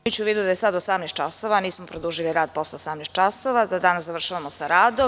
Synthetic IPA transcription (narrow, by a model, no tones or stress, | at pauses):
ut͡ɕuːʋiːd̪ud̪ajesad̪osamnest̪t͡ʃasoʋaniːsmopɾod̪uːʒiliɾaːd̪̚poslaosamnes̚t͡ʃasoʋazad̪aːnaszaʋr̩ʃaʋamosaɾaːd̪o